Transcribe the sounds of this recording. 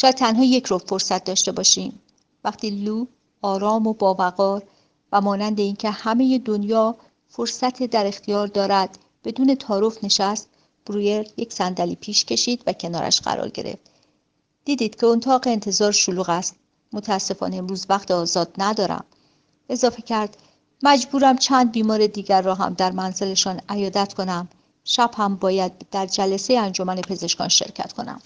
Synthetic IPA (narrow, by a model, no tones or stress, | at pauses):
ʃɔːjæd̪̚t̪ʰːænɦɒːje̞cʰɾofo̞ɾsæt̪̚d̪ɒːʃt̪e̞bɒːʃiːm | væχt̪ʰiːluː | ɒːɾɒːmobɒːvæɣɒːɾ | væmɒːnænd̪e̞iːncʰehæmeje̞d̪o̞njɒː | fo̞ɾsæt̪ʰed̪æɾe̞xt̪ʰijɒːɾd̪ɒːɾæd̪̥ | b̥e̞d̪uːne̞t̪ʰɒːɾofne̞ʃæst̪ | b̥ɾujeɾjecsænd̪æliːpʰiːʃcʰe̞ʃiːd̪væcʰe̞nɒ̰ːɾʔæ̰ʃɢæ̰ɾɒ̰ːɾɟe̞̰ɾḛft̪ | d̪̥iːd̪iːd̪̥cʰe̞ont̪ʰɒːɣeent̪ʰe̞zɒːɾʃoluːɣæst̪ | mot̪ʰææsːe̞fɒ̰ːneemɾuːzvæχt̪ʰeɒːzɒːd̪̥næd̪ɒːɾæ̰m | e̞zɒːfe̞cʰæɾd̪̥ | mæd͡ʒbuːɾæmt͡ʃʰæːnd̪̚biːmɒːɾe̞d̪iːɟæɾːɒːɦæ̰md̪æɾmænze̞le̞ʃɒːnæjɒːd̪æt̪ʰkʰo̞næm | ʃæb̥hæmbɒːjæd̪̚d̪æɾd͡ʒælæsejeænd͡ʒo̞mæne̞pʰe̞ze̞ʃkɒ̰ːnʃe̞̰ɾcʰæ̰t̪kʰo̞næ̰m